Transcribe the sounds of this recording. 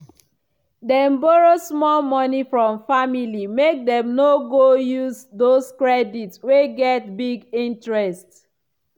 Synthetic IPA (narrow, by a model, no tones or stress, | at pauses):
dɛ̃mbɔɹosmɔlmɔnifɹɔ̃mfamilimek̚dɛ̃mnoɡojuzdoskɹɛditsweɡɛtbiɡĩntɹɛst